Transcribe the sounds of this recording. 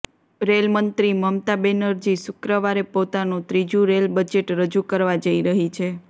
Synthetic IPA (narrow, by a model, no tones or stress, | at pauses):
ɾelmənt̪ɾiməmt̪abenəɾd͡ʒisʊkɾəʋaɾepot̪anũt̪ɾid͡ʒũɾelbəd͡ʒeʈɾəd͡ʒukəɾʋad͡ʒəiɾəɦit͡ʃʰe